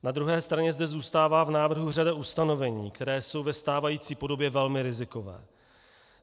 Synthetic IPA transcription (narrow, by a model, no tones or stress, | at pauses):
nad̪ɾuɦɛːst̪ɾaɲɛzdɛzuːst̪aːvaːvnaːvr̩ɦur̝adaʔust̪ano̞vɛɲiːkt̪ɛɾɛːso̞wvɛst̪aːvajiːt͡siːpo̞do̞bjɛvɛlmɪɾɪzɪko̞vɛ̰ː